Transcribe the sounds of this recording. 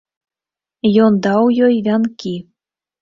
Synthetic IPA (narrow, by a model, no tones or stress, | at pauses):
jond̪ɑwjojvʲɑnki